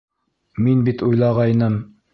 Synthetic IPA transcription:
minbit̪ujlˠɑʁɑjnɤm

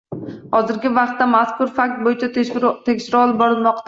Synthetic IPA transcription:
hɒzɪɾɡʲɪvɑqt̪ːamaskʰʊɾfak̚ʲt̪̚bojɪt͡ʃʰat̪ʰekʲʃɪɾɪɒlˠɪb̚bɒɾɪlˠmɒqt̪a

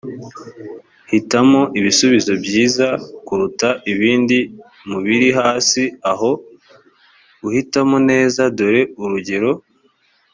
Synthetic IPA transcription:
hitamo̞ʔiβisuβizo̞bɟiːzakuɾutaʔiβiːndi | muβiɾiɦaːsiaɦo̞ | uhitamone̞ːzadoɾe̞uɾuɟe̞ɾo̞

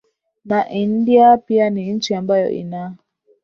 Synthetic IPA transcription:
naʔin̩diapianin̩t͡ʃiambajɔ̰ʔḭnaː

